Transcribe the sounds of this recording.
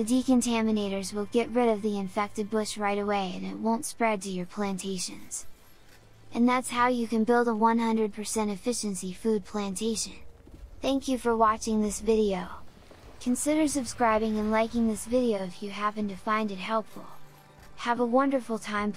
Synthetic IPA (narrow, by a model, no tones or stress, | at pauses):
ðɨdikɨ̃ntʰæmɨneɪɾə˞zwɪlˠɡɛʔ̚ɹɪɾʌvðiɨ̃ɱfɛk̚tɨd̚bʊʃɹaɪɾəweɪɨ̃nɨ̰t̚wõʊ̃ntspɹɛd̚tɨjə˞pʰl̥æ̃ntʰeɪʃɨ̰̃nz̥ | ʔɨ̃nðætshaʊjɨkɨ̃nbɪlˠdəwʌ̃nhʌ̃ndɹɨd̚pʰə˞sɛ̃ɾ̃ɨfɪʃɨ̃nsifʉd̚pʰl̥æ̃ntʰeɪʃɨ̰̃n | θæ̃ŋkjɨfə˞wɑt͡ʃɪ̃ŋðɪsvɪɾioʊ | kʰɨ̃nsɪɾə˞sɨb̥skɹaɪbɪ̃ŋɨ̃nlaɪkɪ̃ŋðɪsvɪɾioʊɨfjɨɦæpɨ̃ntɨfãɪ̃ndɨt̚hɛlˠpfl̩ˠ | əvəwʌ̃ndə˞fl̩ˠtʰãɪ̃m